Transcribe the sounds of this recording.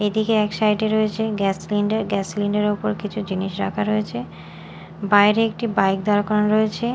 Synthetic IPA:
ed̪ikeɛkʃajʈeɾoet͡ɕʰeɡɛsliɳɖeɾɡɛsliɳɖeɾopoɾkit͡ɕʰud͡ʑiniʃɾa̰kʰaɾoet͡ɕʰe | bajɾeek̚ʈibajk̚d̪aɾkɔɾanɾoet͡ɕʰe

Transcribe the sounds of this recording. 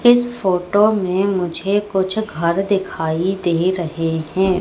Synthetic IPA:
ɪsfoːʈoːmẽmʊd͡ʒʱekʊt͡ʃʰɡʱɐɾd̪ɪkʰaːid̪eːɾɐɦeɦɛ̃ː

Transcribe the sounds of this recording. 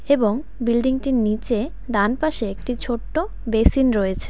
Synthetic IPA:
eboŋ | bilɖiŋʈinit͡ɕe | ɖanpaʃeek̚ʈit͡ɕʰoʈːo | besinɾɔet͡ɕʰe̥

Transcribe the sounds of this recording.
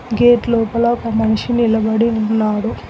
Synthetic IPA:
ɡeːʈlɔːpɐlɐɔkɐmɐniʂinilɐbɐɽiunːaːɽu

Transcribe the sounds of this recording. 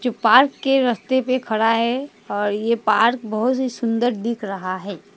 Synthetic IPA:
d͡ʒopaːɾkːeɾɐst̪epekʰɐɽaɦɛ | ɔːɾjepaːɾk̚bɐɦʊt̪ɦisʊ̃nd̪əɾd̪ɪkʰɾɐɦaɦɛː

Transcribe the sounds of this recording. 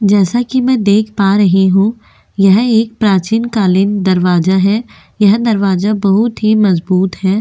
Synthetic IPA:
d͡ʒɛːsakimɛ̃ːd̪eːkʰpaːɾɐɦeɦũ | jɐɦeːk̚pɾaːt͡ʃiːnkaːlɪnd̪ɐɾʋaːzaɦɛː | jɐɦd̪ɐɾʋaːzabɐɦʊt̪ɦimɐzbuːt̪ɦɛː

